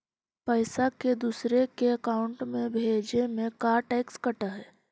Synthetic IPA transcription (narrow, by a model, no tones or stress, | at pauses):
pəɪsaked̪uːsɾekeɐkaːʊ̃ɳʈmẽbʱeːd͡ʒnemẽkaːɾʈɛːkskəʈaɦɛː